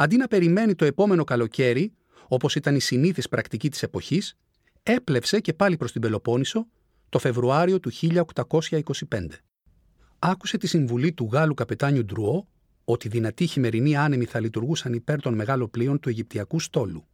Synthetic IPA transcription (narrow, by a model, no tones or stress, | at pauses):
ɐnd̪inɐpe̞ɾime̞nit̪o̞e̞po̞me̞no̞kɐlo̞ce̞ɾi | o̞po̞sit̪ɐnisiniθispɾʔɐkt̪icit̪i̥se̞po̞çis | e̞ple̞fse̞ce̞pɐlipɾo̞st̪ibe̞lo̞po̞niso̞ | t̪o̞fe̞vɾuɐɾio̞t̪uçiʎɐo̞kt̪ɐko̞sçɐiko̞sipe̞nd̪e̞ | ɐku̥se̞t̪isiɱvulit̪uɣɐlukɐpe̞t̪ɐɲud̪ɾuo̞ | ot̪iðinɐt̪içime̞ɾiniɐnemiθɐlit̪uɾɣusɐnipe̞ɾt̪o̞nme̞ɣɐlo̞plio̞nt̪ue̞ʝip̚t̪iɐkust̪o̞lu